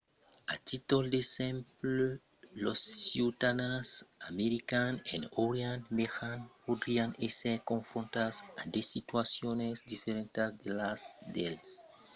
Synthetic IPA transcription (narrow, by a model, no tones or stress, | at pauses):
atʰitɔldesɛ̃mpl | lɔsiutanasameɾikanɛ̰̃ndoɹiãnmexanodɹiãnesɛkɔ̃nfɹɔ̃ntasãndesituasjɔ̃nɛsdifeɾɛ̃ntasdelasdes